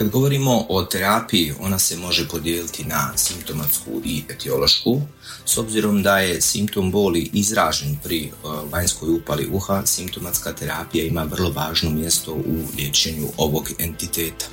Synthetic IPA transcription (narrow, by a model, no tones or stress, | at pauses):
kad̪ɡo̞ʋo̞ɾimo̞ʔot̪e̞ɾaːpijio̞̰nase̞mo̞ʒe̞po̞d̪jeːlit̪ʰinasimpt̪o̞mat̪skṵʔie̞t̪ʰio̞lˠo̞ʃku | so̞bziɾo̞md̪aje̞simpt̪o̞mboːliʔizɾaːʒe̞npɾiʋaɲsko̞jupalḭʔuxasimpt̪o̞mat̪skat̪e̞ɾaːpijaimaʋr̩lˠo̞ʋaːʒno̞mje̞st̪o̞ʔulʲjeːt͡ʃe̞ɲṵʔo̞ʋo̞ɡe̞̰nt̪it̪eːt̪ḁ